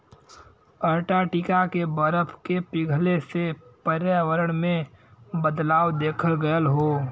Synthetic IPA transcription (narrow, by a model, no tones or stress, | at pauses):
əɾʈaʈikakebəɾəpʰkepɪɡʱlesepəɾjaːʋəɾəɽ̃mẽ | bəd̪laːwd̪eːkʰəlɡəjəlɦoː